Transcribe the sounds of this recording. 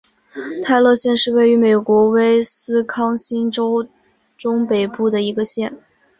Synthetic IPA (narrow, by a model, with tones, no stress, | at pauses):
t̪ʰa˥˧ɪlɤ˥˧ɕjɛ˥˧nʂɻ̩˥˧we˥˩ɪy˧˥me˨˩ɪkwɔ˧˥we˥ɪsɹ̩˥kʰɑ˥ŋɕi˥nʈ͡ʂo˥ʊ | ʈ͡ʂʊ˥ŋpe˨˩ɪpu˥˩d̪ə˩i˧˥ɡə˧ɕjɛ˥˩n